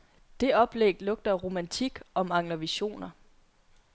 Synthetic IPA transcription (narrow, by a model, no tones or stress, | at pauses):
d̥e̝ɒ̽b̥leɡ̥lɔ̽ɡ̥̚d̥ɐʁo̝mænt͡sʰiɡ̥ɒ̽mɑ̈ŋ̰lɐʋiɕo̝̰ːnɐ